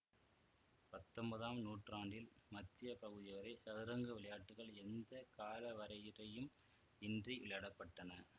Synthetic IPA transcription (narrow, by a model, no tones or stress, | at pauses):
pɐt̪ːɔmbɐðaːmnuːʈraːɳɖɪlmɐt̪ːɪjɐpɐɣɯðɪjɐʋɐɾesɐðɪɾɐŋɡɯʋɪɭɐjaːʈːɯɣɐɭɛnd̪ɐkaːlɐʋɐɾɐjɪrɐjɯm | ɪndriʔʊɭjɐɽɐpːɐʈːɐnɐ